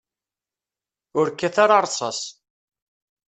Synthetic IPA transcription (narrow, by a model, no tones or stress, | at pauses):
ʊɾkːæθaɾɑɾˤsˤɑ̰s